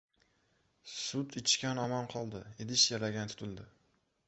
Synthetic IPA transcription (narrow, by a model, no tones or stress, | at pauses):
sʊt̪ɪt͡ʃkʲanɒmɒnqʰɒlˠd̪ɪed̪ɪʃjaɾaɡʲant̪ʰʊ̥t̪ʰɪld̪ɪ